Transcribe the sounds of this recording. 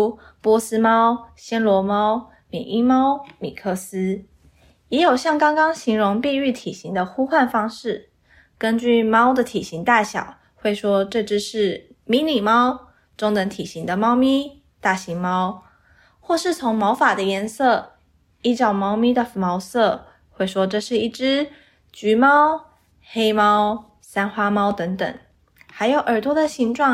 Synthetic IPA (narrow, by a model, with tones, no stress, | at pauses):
pwɔ˥sɹ̩˥mɑ˥ʊɕjɛ˥nlwɔ˧˥mɑ˥ʊ | mḭ˨˩ʔi˥mɑ˥ʊmi˨˩kʰɤ˥˩sɹ̩˥ | jɛ˧˥jo˨˩ʊɕjɑ˥˩ŋkɑ˥ŋkɑ˥ŋɕi˧˥ŋɻʊ˧˥ŋpi˥˧y˥˩t̪ʰi˨˩ɕi˧˥ŋd̪ə˧xu˥xwa˥˩nfɑ˥ŋʂɻ̩˥˩ | kə˥nt͡ɕy˥˩mɑ˥ʊd̪ə˨t̪ʰi˨˩ɕi˧˥ŋt̪a˥˩ɕjɑ̰˨˩˦ʊ | xwe˥˩ɪʂwɔ˥ʈ͡ʂɤ˥˧ʈ͡ʂɻ̩˥ʂɻ̩˥˩ | mi˧˥ni˨˩mɑ˥ʊ | ʈ͡ʂʊ˥ŋnə˧˥ŋt̪ʰi˨˩ɕi˧˥ŋd̪ə˨mɑ˥ʊmi˥ | t̪a˥˩ɕi˧˥ŋmɑ˥ʊ | xwɔ˥˧ʂɻ̩˥˩t͡sʰʊ˧˥ŋmɑ˧˥ʊfa˨˩d̪ə˦jɛ˧˥nsɤ˥˩ | i˥˩t͡ɕjɑ˥˩ʊmɑ˥ʊmi˥d̪ə˨mɑ˧˥ʊsɤ˥˧˩ | xwe˥˩ɪʂwɔ˥ʈ͡ʂɤ˥˧ʂɻ̩˥˧i˥˩ʈ͡ʂɻ̩˥ | t͡ɕy˧˥mɑ˥ʊ | xe˥ɪmɑ˥ʊ | sa˥nxwa˥mɑ˥ʊt̪ə˧˥ŋt̪ə̰˨˩ŋ | xa˧˥ɪjo˨˩ʊʔə˞˨˩t̪ʰwɔ˥d̪ə˨ɕi˧˥ŋʈ͡ʂwɑ˥˩